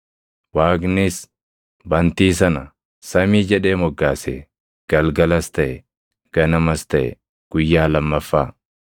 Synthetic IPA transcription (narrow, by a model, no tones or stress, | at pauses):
waːɡnɪs | bɐnt̪iːs̬ɐnɐ | sɐmiːd͡ʒɛᶑe̞ːmɔɡːaːsḛː | ɡ̥ɐlɡɐlɐst̪ɐʔɛ | ɡ̥ɐnɐmɐst̪ɐʔɛ̰ | ɡ̥ʊjːaːlɐmːɐfːaː